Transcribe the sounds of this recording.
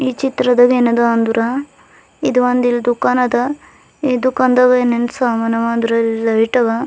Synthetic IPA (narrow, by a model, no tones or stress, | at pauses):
it͡ʃit̪ɾɐd̪ɐɡenɐd̪ɐːnd̪uɾʔɐ | id̪uʋɐnd̪ild̪ukaːnɐd̪ɐ | id̪ukɐnd̪ɐɡɐenensaːmɐnɐʋɐːnd̪uɾɐlɐiʈɐɡɐ